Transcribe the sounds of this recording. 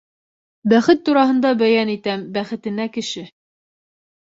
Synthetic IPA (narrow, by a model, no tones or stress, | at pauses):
bæχɘt̪ːuɾɑɦɤ̆nd̪ɑbæjænit̪æmbæχɘ̆t̪ɘ̆nækɘ̆ʃɘ